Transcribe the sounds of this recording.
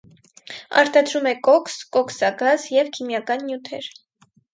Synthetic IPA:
ɑ̰ɾt̪ɑd̪ɾumɛkɔkʰskɔkʰsɑɡɑzjɛvkʰimjɑkɑnːjut̪ʰɛ̰ɾ

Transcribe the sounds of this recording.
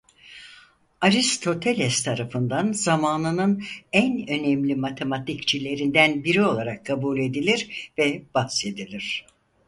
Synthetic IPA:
aɾist̪ʰo̞t̪ʰe̞lʲɛst̪ʰaɾafɯnd̪anzamaːnɯnɯnænø̞nɛmlʲimat̪ʰe̞mat̪ʰikt͡ʃʰilʲe̞ɾind̪ænbiɾio̞lˠaɾakʰːabuːlʲe̞d̪ilʲiɾvɛb̥ahse̞d̪ilʲiɾ̥

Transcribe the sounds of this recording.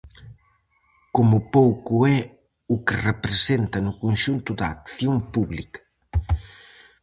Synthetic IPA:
komupowkuɛ | ukerepɾesent̪ɐnukunʃunt̪ud̪akθjompuβlikɐ̥

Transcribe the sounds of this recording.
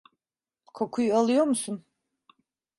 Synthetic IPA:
kʰo̞kʰujualˠɯjo̞ɾmusun

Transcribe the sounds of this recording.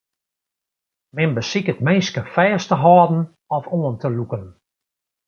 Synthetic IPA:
mɪnbəsikət̚meːskəfɛːstəɦɔːdn̩ | ɔfoəntəlukən

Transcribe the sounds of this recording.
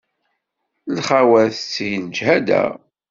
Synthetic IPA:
lχawæθt͡sːijnəd͡ʒhæd̪æ̰

